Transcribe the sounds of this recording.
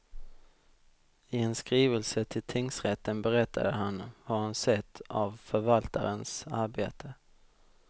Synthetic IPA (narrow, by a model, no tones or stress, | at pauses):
ɪɛnskɾiːvəlsət̪ʰɪlt̪ʰɪŋsɾɛt̪ːənbɛɾɛt̪ʰːa̰d̪əɦanhaɾhansɛt̪ʰːavfœɾvalt̪a̰ɾənsaɾbeːt̪ʰə